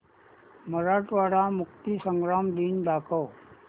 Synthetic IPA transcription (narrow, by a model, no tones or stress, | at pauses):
məɾaːʈʋaːɽamʊkt̪isə̃ŋɡɾaːmd̪iːnɖaːkəː